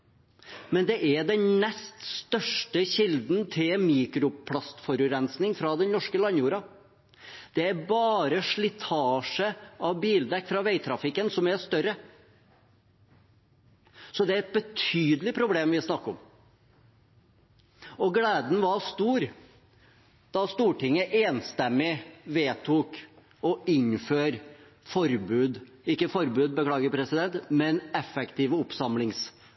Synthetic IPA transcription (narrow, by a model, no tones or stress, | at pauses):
mɛnd̪ɛʔæɖ̪ɛnnɛst̪st̪œʂʈəɕɪld̪nt̪ʰɪlmiːkɾʊpʰlɑst̪fɔɾʉɾɛnsnɪŋfɾɑd̪ɛnnɔʂkəlɑnjuːɾɑ | d̪̥ɛæɾbɑːɾəʂɭɪt̪ʰɑːʂəɑʋbiːld̪ɛkːfɾɑʋeɪt̪ʰɾɑfɪkːənsɔmæst̪œɾə | sɔd̪ɛæɾɛt̪̚bət̪ʰyːd̪əlɪpʰɾʊbleːmʋɪsnɑkːəɔm | ɔɡleːd̪n̩ʋɑɾst̪uːɾ | d̪̥ɑst̪uːʈɪŋːəʔeːnst̪ɛmːɪʋeːt̪ʰuːk | ɔɪnføːɾ | fɔɾbʉːd̪ | ɪkːəfɔɾbʉːd̪̚bəkʰlɑːɡəpʰɾɛsɪd̪ɛnt̪mɛnɛfːɛkt̪iːʋəʊpsɑmlɪŋs